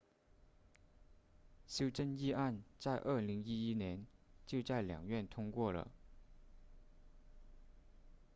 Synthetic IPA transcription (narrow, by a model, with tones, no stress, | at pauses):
ɕjo˥ʊʈ͡ʂə˥ni˥˧a˥˧nt͡sa˥˧ɪʔə˞˥˩li˧˥ŋi˥i˥njɛ˧˥nt͡ɕjo˥˧ʊt͡sa˥˩ɪljɑ̰˨˩ŋɥɛ˥˩nt̪ʰʊ˥ŋkwɔ˥˩lə̰˩